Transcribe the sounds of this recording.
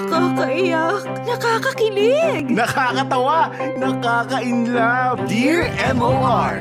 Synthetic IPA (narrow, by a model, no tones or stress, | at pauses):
kaːkɐʔɪjak̚nɐkaːkɐkɪlɪɡnɐkaːkɐt̪ɐwanɐkaːkɐʔɪnlabiɹʔɛmoʔaɹ